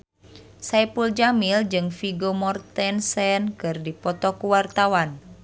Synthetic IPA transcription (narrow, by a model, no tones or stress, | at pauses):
sajpuld͡ʒamild͡ʒɨŋfiɡomɔrt̪ɛnsɛnkɨrdipɔt̪ɔkuwart̪awan